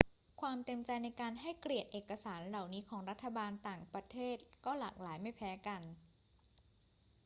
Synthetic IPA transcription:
kʰwaː˧mt̪e˧mt͡ɕa˧jna˧jkaː˧nɦa˥˩jkɾi˨˩ət̪̚ʔeː˨˩kːa˧saː˩˦nɾa˨˩wniː˦˥kʰɔː˩˦ŋɾa˦˥t̪ʰːa˧baː˧nt̪aː˨˩ŋpɾa˧t̪ʰeː˥˩t̪̚kɔː˥˩la̰ː˨˩k̚laː˩˦jma˥˩jpʰɛː˦˥ka˧n

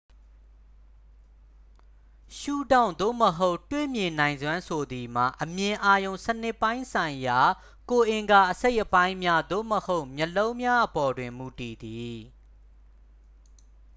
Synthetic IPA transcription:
ʃu˦˨dã˦˨ʊ̃nd̪o̰˦˨məɦo˦ʊʔtwḛ˦˨mjɪ̃˨nã˨ɪ̃nzwã˦nsʰo˨d̪i˨m̥a̰˨ʔəmjɪ̃˨ʔa˦jõ˨ʊ̃sənɪ˦˨pːã˦ɪ̃sʰã˨ɪ̃ja˨ | ko˨ʔɪ̃˨ŋɡa˨ʔəse˦ɪʔəpã˦ɪ̃mja˦d̪o̰˦˨məho˦ʊʔmjə˨lõ˦ʊ̃mja˦ʔəpɔ˨dwɪ̃˨mu˨ti˨d̪i˨

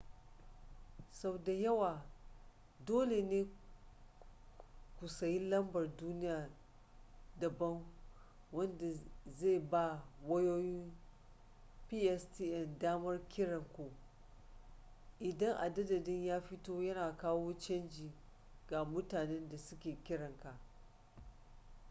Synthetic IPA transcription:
sɐ˨bda˨jɐ˦waː˨ | doː˦le˨neː˦ | kʷu˨sɐ˨ji˦lɐ˦mbɐ˨rduː˦nɪ˦jaː˨ | dɐ˨bɐ˦ŋ | wɐ˦nda˨ze˦˨ba˦wɐ˦joː˦jɪ˦m | piː˦ʔɛ˦stiː˦ʔɛ˨ndaː˦mɐ˦rkʲɪ˦ɽɐ˨ŋkʷu˨ | ʔɪ˨dɐ˦ŋʔa̰˨dɐ˦dɐ˨dɪ˦ɲjaː˦ɸɪ˦toː˦jɐ˦naː˨kaː˦woː˦t͡ʃɐ˦nd͡ʒiː˨ | ɡa˨mʊ˦taː˨nɛ˦nda˨sʊ˦kʲeː˨kʲɪ˦ɽɐ˨ŋka˨ʔ

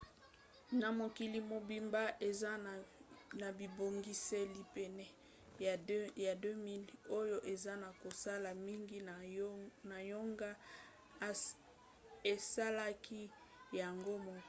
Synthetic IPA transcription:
na˨mo˨ki˨li˨mo˨bi˨mba˦ʔe˨za˦˨na˨bi˨bo˨ŋɡi˦sɛ˦li˨pɛ˨nɛ˦˨˦ | ja˨dø˦mi˦lo˦jo˦ʔe˨za˦na˨ko˨sa˦la˨mi˦ŋɡi˦˨na˨jo˦ŋɡa˦˨ | e˨sa˦la˦kʰi˦ | ja˨ŋɡo˦mo˨

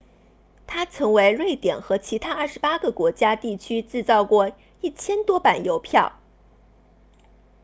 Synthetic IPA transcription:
t̪ʰa˥t͡sʰɤ˧˥ŋwe˧˥ɪlwe˥˩ɪt̪jɛ̰˨˩nxɤ˧˥t͡ɕʰi˧˥t̪ʰa˥ɐ˞˥˩ʂɻ̩˧˥pa˥ɡə˨kwɔ˧˥t͡ɕja˥t̪i˥˩t͡ɕʰy˥ʈ͡ʂɻ̩˥˧t͡sɑ˥˧ʊkwɔ˥˩ | i˥˩t͡ɕʰjɛ˥nt̪wɔ˥pa˨˩njo˧˥ʊpʰjɑ˥˩ʊ

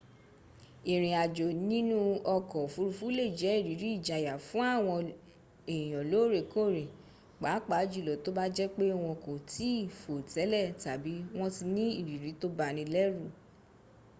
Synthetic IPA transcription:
i˨ɾ̃ĩ˨a˨d͡ʒo˨nĩ˦nũ˦ɔ˧kɔ˨fu˨˧ɾu˧fũ˦le˦˨d͡ʒɛ˨˦i˦˨ɾi˨˦ɾi˦i˦˨d͡ʒa˧˨ja˨fũ˦a˦˨w̃ɔ̃˧ | ẽ˨ɔ̃˨lo˨˦˨ɾe˨ko˦˨ɾe˨ | k͡pa˨˦k͡pa˨˦d͡ʒu˦˨lɔ˨to˦ba˦d͡ʒɛ˦k͡pe˦˧w̃ɔ̃˧ko˨ti˦i˦˨fo˨tɛ˨˦lɛ˦˨ta˨bi˨˦w̃ɔ̃˦ti˧nĩ˦i˦˨ɾi˨˦ɾi˨˦to˦ba˧nĩ˧lɛ˦ɾu˦˨

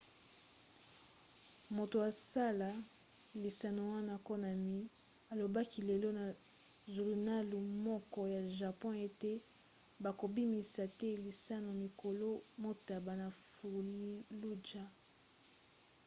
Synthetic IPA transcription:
mo˨to˨a˨sa˦la˨ | li˨sa˨no˨wa˦na˦ko˦na˨mi˦ | a˨lo˨ba˦ki˨le˨lɔ˦na˨ | zu˨lu˨na˦lu˨mɔ˦kɔ˦ja˨ʒa˨pɔ̃˦e˦te˦ | ba˨ko˨bi˦mi˨sa˨tɛ˦li˨sa˦no˨mi˨ko˨lo˦mo˦ta˨ba˨na˨fu˨li˦lu˦d͡ʒa˦

